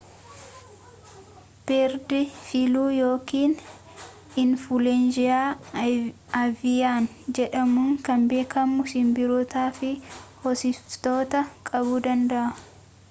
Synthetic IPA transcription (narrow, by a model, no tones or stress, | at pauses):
b̥ɛɾd̪ɪfɪluːjo̞ːkiːn | ɪnfʊlɛnd͡ʒɪjaː | ɐvɪjaːn | d͡ʒɛᶑɐmʊŋkɐmbe̞ːkʰɐmːʊsɪmbɪɾoːt̪aːfɪhɔsɪft̪oːt̪ɐkʼɐbuːd̪ɐnd̪ɐʔɐ